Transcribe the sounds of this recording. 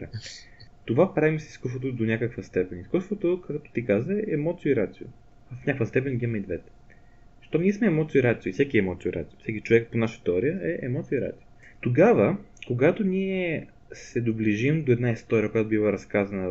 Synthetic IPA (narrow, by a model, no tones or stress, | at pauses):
t̪ovapɾavimsskus̬ot̪od̪onʲakəkvəst̪ɛpɛniskust̪vot̪okakt̪o̥t̪ikazəɛɛmɔt̪siʊiɾat̪sijʊ̰ | vəfnʲakvəst̪ɛpɛnɡʲimɛid̪vɛt̪ɛ̥ | zəʃt̪oniɛsmɛːmɔt̪sijoiɾat̪sioisɛkiɛmɔt̪sʲiuiɾa̰t̪sijʊfsɛkit͡ʃovɛk̚ponaʃət̪ɛɔɾijəɛʔɛmɔt̪siuiɾa̰t̪sio | t̪oɡavəkoɡat̪oniɛ | sɛd̪obliʒimd̪oɛd̪naist̪ɔɾʲiəkojat̪obivɐɾɐskazənə